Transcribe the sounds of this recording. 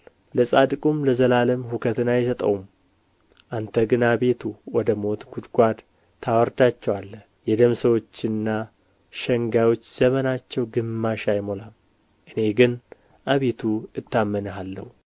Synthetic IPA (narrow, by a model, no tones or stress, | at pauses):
ləsʼad̪kʼumləzəlaləmhukʰət̪ɨnajɛsət̪ʼə̰wum | ʔant̪ʰəɡɨnabe̞t̪ʰuwɔd̪əmo̞t̪ɡud̪ɡʷad̪ | t̪ʰːawɔɾd̪at͡ʃːɛwalːə | jɛd̪əmsəwo̞t͡ʃːɨnːa | ʃəŋɡajwo̞t͡ʃːz̥əmənat͡ʃːɛwɡɨmːaʃajmo̞lam | ʔɨne̞ɡɨn | ʔaβe̞t̪ʰuɨt̪ʰːamːənəɦalːə̰hu